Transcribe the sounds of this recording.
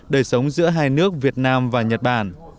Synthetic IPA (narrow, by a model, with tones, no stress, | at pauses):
ɗəː˧˩jsə˨˦wŋ͡mzɨ̰˧˥əɦaː˧jnɨ˦˥ək̚vi˨˩ət̚naː˧mvaː˨˩ɲə˨˩t̚ɓaː˧˩n